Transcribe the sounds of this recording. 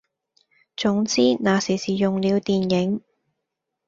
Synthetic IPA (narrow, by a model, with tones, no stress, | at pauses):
t͡sʊ˨˥ŋt͡siː˥naː˨˧siː˨˩siː˨jʊ˨ŋliː˨˧wt̪iː˨njɪ˨˥ŋ